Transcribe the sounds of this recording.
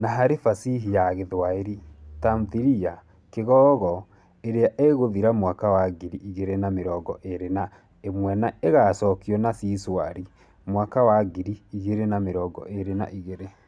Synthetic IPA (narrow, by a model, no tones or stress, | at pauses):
naɦaɾefasiɦijaɣeðwaeɾitamðiɾia | keɣɔːɣɔ | eɾeaʔeɣoðiɾamwakawaɡiɾiʔiɣeɾenameɾɔɡɔʔeɾena | emwɛnaeɣaːsɔːkiɔnasiswaɾi | mwakawaɡiɾiːɣeɾenameɾɔːɡɔ̰ʔeɾena̰ʔiɣeɾe